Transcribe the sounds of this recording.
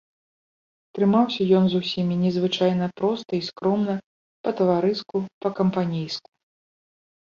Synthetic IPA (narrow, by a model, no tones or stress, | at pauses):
t̪ɾɨmawsʲɐjɔnzusʲimʲinʲɛzvɨt͡ʂajn̪ɐpɾɔst̪ɐiskɾɔmnɐ | pɐt̪ɐvaɾɨskupɐkɐmpanʲijsku̥